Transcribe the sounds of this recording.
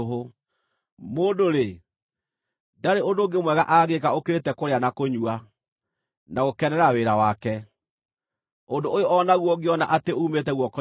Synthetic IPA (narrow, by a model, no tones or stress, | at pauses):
ɦo | moːdoɾe | daɾeondoɡemwɛɣaʔaːɣekaokeɾetɛkoɾeanakoɲua | naɣokɛnɛɾaweɾawakɛ | ondoʔojoɔnaɣwɔɡeɔna̰ʔateuːmetɛɣwɔkɔ